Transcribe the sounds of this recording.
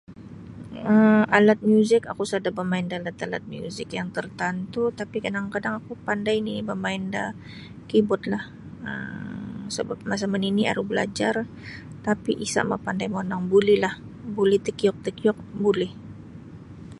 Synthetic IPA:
əmalat̪̚mjuzɪkakusadabəmaɪndalat̪ala̰t̪̚mjṵzɪkjaŋt̪ərt̪ant̪ut̪apikadaŋkadaŋakupandajnibəmaɪnda | kibɔt̪̚lah | ə̰ | səba̰p̚mas̬aməninia̰ɾuhbəla̰d͡ʒar | t̪apiʔisa̰ʔma̰pandajmonaŋbulɪhlah | buliht̪ikijɔk̚t̪əkjɔk̚bulɛh

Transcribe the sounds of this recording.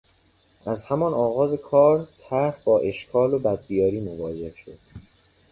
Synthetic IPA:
ʔæzhæmɒnɒːɣɒːze̞kʰɒːɾt̪ʰæɾfbɒːʔe̞ʃkʰɒːlobæd̪̚b̪ijɒːɾiːmo̞vɒːd͡ʒe̞hʃo̞̰d̪̥

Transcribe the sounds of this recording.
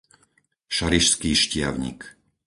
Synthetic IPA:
ʃaɾiʃskiːʃcɪaʊɲḭk

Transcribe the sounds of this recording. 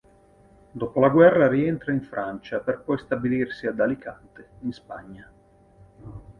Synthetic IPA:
d̪ɔpolaɡwɛrːaɾiɛnt̪ɾaiɱfɾʔant͡ʃaperpɔjst̪abilirsiad̪alikʰant̪einspaɲːa

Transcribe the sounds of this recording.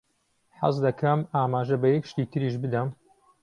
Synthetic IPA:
ħɑ̰zd̪ɐkʰɐmaːmaːʒɐbɐjɛkʃt̪iːt̪ʰɨɾiːʃbɨd̪ɐm

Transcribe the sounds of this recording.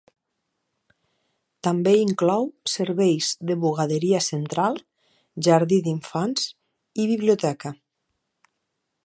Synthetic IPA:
t̪ambeiŋklɔwseɾβejzðəβuɣaðeɾiasent̪ɾalˠ | ʒaɾðiðiɱfanz̥ | iβiβlijut̪ɛka

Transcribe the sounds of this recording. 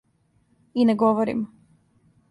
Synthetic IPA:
ineɡoʋoɾḭm

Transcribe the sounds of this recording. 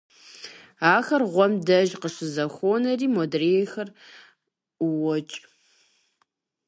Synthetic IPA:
aːxɐrʁʷɔmdɐʒqəʂɨzɐxʷoːnɐriːmodrejexɐr | wɔt͡ʃʼ

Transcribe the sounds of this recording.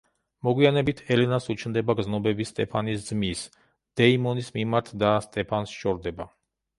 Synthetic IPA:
mɔɡwianɛbit̪ʰɛlɛnasut͡ʃʰnd̪ɛbaɡznɔbɛbist̪ʼɛpʰanisd̪zmis | d̪̥ɛimɔnismimaɾt̪ʰd̪ast̪ʼɛpʰansʃɔɾd̪ɛba

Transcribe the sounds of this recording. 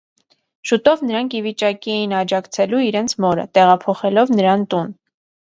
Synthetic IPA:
ʃut̪ɔvnəɾɑŋkʰivit͡ʃɑkijinɑd͡ʒɑkt͡sʰɛluiɾɛnt͡sʰmɔɾə̰t̪ɛʁɑpʰɔχɛlɔvnəɾɑnt̪un

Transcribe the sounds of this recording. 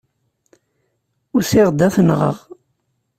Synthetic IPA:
ʊɾsɪʁd̪æθnʁə̰ʁ

